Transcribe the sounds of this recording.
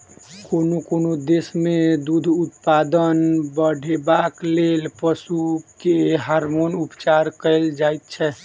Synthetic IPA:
konokonod̪esmed̪ud̪ʱut̪pad̪ənbəɖʱebaklelpəsukeɦaɾmonupt͡ʃaɾkəɪld͡ʒait̪̚t͡ʃʰɛ

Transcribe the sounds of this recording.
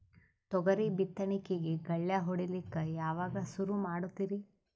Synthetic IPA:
t̪ɔɡɐɾibit̪ːɐɳikeɡeɡɐɭjɐɦɔɽilikːɐjaːʋaːɡɐsuɾumaːɽut̪ːiɾi

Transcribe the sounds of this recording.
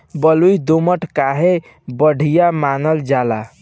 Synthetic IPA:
bəlujd̪oməʈkaɦe | bəɽ̤ʱijamanəld͡ʒala

